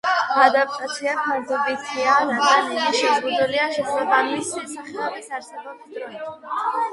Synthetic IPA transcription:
ad̪apʰat̪sʰiakʰaɾd̪ɔbit̪ʰiaɾad̪ɡanɛniʃɛzʁud̪uliaʃɛχlɛbanmisɛsaχɛlabisaɾsɛbamsd̪ɾɔnɛ

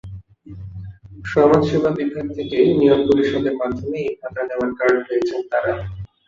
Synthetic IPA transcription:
ʃɔmad͡ʑʃubʱabibʱak̚t̪ʰekenijoɡpoɾiʃɔd̪eɾmad̪ʱːomejkat̪aneoaɾkaɾnɾoet͡ɕʰent̪aɾa

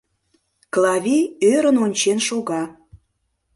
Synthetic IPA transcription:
klˠɑvʲiøɾə̆nonʲt͡ɕenʃuɣɑ

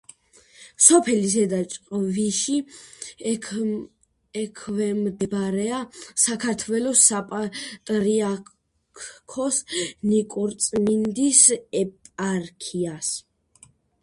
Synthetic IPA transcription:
sɔpʰɛlis̬ɛd̪at͡ʃʼqʼɔviʃi | ɛkʰvɛmd̪bɾɛasakʰaɾt̪ʰwɛlɔsapʼat̪ʼɾia | kʰɔsnikʼuɾt̪sʼmind̪isɛpʼaɾkʰias

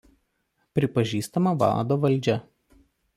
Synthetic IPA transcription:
pʲɾʲɪpɐʒʲiːst̪ɐmɐʋɑ̰ːd̪oːʋɐlʲˑd͡ʒʲɛ

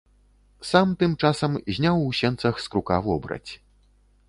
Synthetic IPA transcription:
samt̪ɨmt͡ʂasɐmzʲnʲawusʲɛnt̪sɐxskɾukavɔbɾɐ̰t͡sʲ

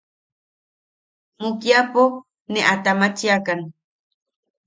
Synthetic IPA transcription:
mʊkjapʊ | nɪat̪amat͡ʃijakan

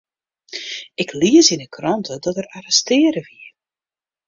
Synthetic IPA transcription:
ɪkʰliəsinəkʰrɔntʰədɔtərarɛstɪːəɾəʋiə

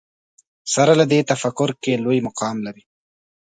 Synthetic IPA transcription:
saɾalad̪et̪afakʊɾkelojmʊqɑːmlaɾi

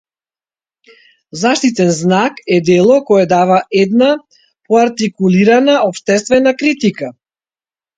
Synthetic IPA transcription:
zaʃt̪it̪ɛnznakɛd̪ɛlˠɔkɔɛd̪avaʔɛd̪na | pɔaɾt̪ikuliɾanaɔpʃt̪ɛst̪vɛnakɾit̪ika

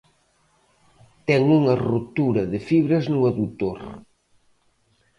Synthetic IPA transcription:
t̪ɛŋuŋɐrut̪uɾɐðɪfiβɾɐznuaðut̪oɾ

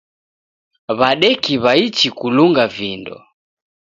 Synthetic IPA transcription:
βaɗɛkiβait͡ʃikuluŋɡavindɔ̰

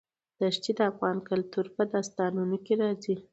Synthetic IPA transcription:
d̪̥aʃt͡ʃid̪əafɣɑnkʊlt̪uɾpəd̪ɑst̪ɑnunikeɾɑzi

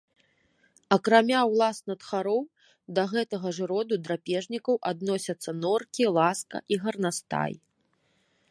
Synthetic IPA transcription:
ɐkɾamʲawlˠasnɐt̪xaɾɔw | d̪ɐɣɛt̪ɐɣɐʐɨɾɔd̪ud̪ɾapʲɛʐnʲikɐwʔad̪nɔsʲɐt̪sːɐnɔrkʲilˠaskɐ̰ʔiɣɐrnast̪a̰j

